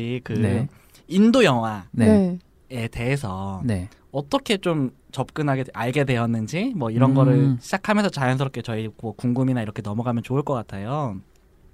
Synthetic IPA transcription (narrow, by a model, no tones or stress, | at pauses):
ikɯe | indojʌŋɦwane | e̞de̞ɦesʰʌne | ʌt͈ʌkʰe̞t͡ɕom | t͡ɕʌp̚k͈ɯnɦaɡeaɭɡedwe̞ʌnːɯnd͡ʑimwʌiɾʌnɡʌɾɯɭɕʰid͡ʑakʰamjʌnsʰʌt͡ɕajʌnsʰɯɾʌp̚k͈et͡ɕʌimʌkuŋɡuminaiɾʌkʰe̞nʌmʌɡamjʌnt͡ɕouɭk͈ʌk͈atʰajo